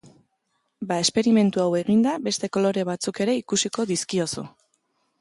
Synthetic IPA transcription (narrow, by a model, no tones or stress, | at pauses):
bae̞spe̞ɾime̞nt̪uawe̞ɣind̪abe̞st̪e̞ko̞lo̞ɾe̞β̞at͡suke̞ɾe̞ikusiko̞ðiskio̞su